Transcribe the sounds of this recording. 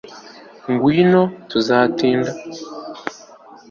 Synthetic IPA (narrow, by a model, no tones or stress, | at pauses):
ŋɡwiːnotuzaːtiːnda